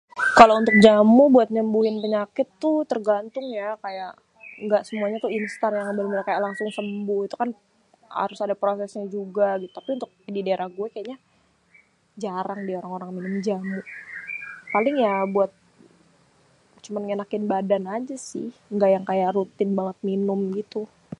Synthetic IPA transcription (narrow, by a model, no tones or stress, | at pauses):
kalount̪ʊk̚d͡ʒamʊbuat̪̚ɲəmbuɦɪnpəɲakɪt̪ːʊt̪ərɡant̪ʊŋjakajaʔ | ŋɡaʔsəmuaɲat̪ʊinst̪anjaŋbəlŋəɾakajaʔlaŋsʊŋsəmbʊhit̪ukan | ha̰ɾʊsadapɾosɛsɲad͡ʒuɡaɡit̪u̥t̪apiunt̪ʊk̚didaeɾʔahɡuɛkajaɲa | d͡ʒaɾaŋdioɾaŋoɾaŋminʊmd͡ʒamʊʔ | palɪŋjabuat̪̚ | t͡ʃumanŋenakɪnbadanad͡ʒasɪ̰hŋɡaʔjaŋkajaʔɾut̪ɪnbaŋət̪̚minʊmɡit̪u